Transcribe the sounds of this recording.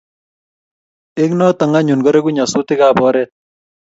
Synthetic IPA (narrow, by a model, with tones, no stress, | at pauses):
ɪ˦knɔ˦ta˨ŋa˦ɲu˨nɡɔ˦ɾe˦ku˦ɲa˨su˦tɪ˦ka˦bɔ˦ɾɛt̚